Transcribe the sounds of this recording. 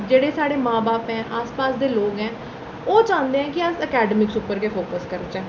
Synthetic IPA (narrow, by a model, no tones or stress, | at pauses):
d͡ʒeːɽeːsaːɽeːmãːbaːpɦɛ̃ːʔaːspaːsd̪eːloːɡɛ̃ː | oːt͡ʃãːnd̪eːɦɛ̃ːkɪəsəkɛːɖəmɪksʊpːəɾkeːpʰoːkəskəɾt͡ʃɛ̃ː